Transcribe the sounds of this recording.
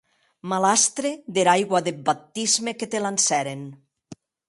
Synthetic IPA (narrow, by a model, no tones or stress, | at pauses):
malast̪ɾeðeɾajɣwaðebat̪izmeket̪elansɛɾen